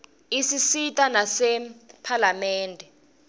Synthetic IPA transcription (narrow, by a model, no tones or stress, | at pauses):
isisitʼanasɛpʰalamɛːndʱɛ